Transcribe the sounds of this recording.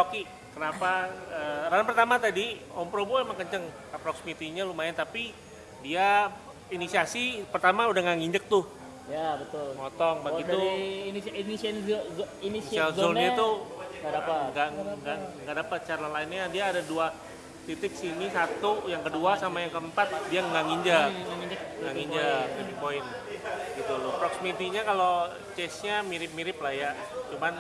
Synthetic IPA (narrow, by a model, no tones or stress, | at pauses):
oki | kənapaəɾanapərt̪amat̪adiɔmpɾoboemaŋkəɲt͡ʃəŋ | apɾɔksimit̪iɲalumaɪnt̪api | dia | inisiasipərt̪amaudahŋaŋiɲd͡ʒək̚t̪ʊ | jabət̪ʊlŋɔt̪ɔŋbaɡiu | ini | inialzolat̪uŋɡaaaŋɡaŋɡaŋɡaʔdapat̪̚t͡ʃaɾlalaɪnɲadiaːdadua | t̪it̪ɪksinisat̪ujaŋkəduasamajaŋkəəmpat̪̚diaŋɡaŋiɲd͡ʒəkŋaŋiɲd͡ʒək̚ŋaŋiɲd͡ʒək̚lemipoɪn | ɡit̪ulʊpɾɔksmit̪iɲakalo | t͡ʃɛsɲamiɾɪp̚miɾɪplahja | t͡ʃuman